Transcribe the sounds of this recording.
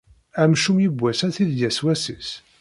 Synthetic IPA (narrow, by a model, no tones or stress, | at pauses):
æmʃumjəbʷːæsæθiðjæswæsis